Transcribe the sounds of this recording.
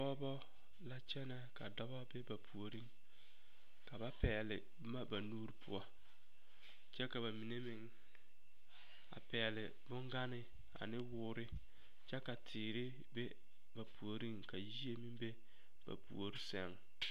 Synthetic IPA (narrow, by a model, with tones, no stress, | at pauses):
pɔ˦bɔ˦ | la˦t͡ʃɛ˦nɛ˦ka˨dɔ˦ba˦bɛ˦ba˨pʰu˨o˨ɾi˦ŋ | ka˨ba˦pɛː˨lɪ˨ | bma˦ba˨nuː˦ɾɪ˦pʰʊ˦ɔ˦ | t͡ʃɛ˦ka˨ba˨mi˨ne˦mɪ˨ŋ | a̰˨pɛː˨lɪ˨ | bʊ˦ŋɡa˦nɪ˨ | a̰˨nɪ˦wʊː˨˦ɾɪ˦ | t͡ʃɛ˦ka˨tʰɪː˨ɾɪ˦ | be˦ | ba˨pu˨o˨ɾi˦ŋka˨ji˦e˦mɪ˦be˦ | b̥a̰˨pṵ˨o˨ɾɪ˦sɛ˦˨ŋ